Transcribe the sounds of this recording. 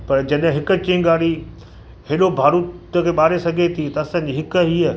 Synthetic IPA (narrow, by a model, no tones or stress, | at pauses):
pɐɾd͡ʑɐɗɦɪ̃ɦɪkə̆t͡ɕĩŋɡaːɽi | hɪɗobʱaːɾut̪kʰeːɓaːɾesɐɡʱet̪ʰit̪ɐɐsãːɲ̆d͡ʑiɦɪkəɦiːə